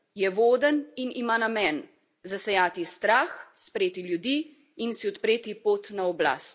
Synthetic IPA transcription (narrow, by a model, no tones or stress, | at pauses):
jɛʋoːd̪əninimanamɛn | zasɛjaːt̪ist̪ɾaːxspɾeːt̪iljud̪iː | insiɔt̪pɾeːt̪ipoːt̪naɔbla̰ːst̪̚